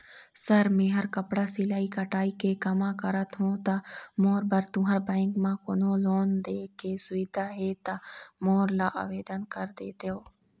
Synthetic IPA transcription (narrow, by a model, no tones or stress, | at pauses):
səɾmẽːɦəɾkəpɽaːsilaːiːkəʈaːiːkeːkəmãːkəɾət̪ɦõːt̪amoːɾbəɾt̪ũːɦəɾbɛ̃ɪŋkmãːkonõːloːnd̪eːkːeːsʊʋiːd̪aːɦeːt̪amoːɾlaːʔa̰ːʋeːd̪ənkəɾd̪ḛːt̪joː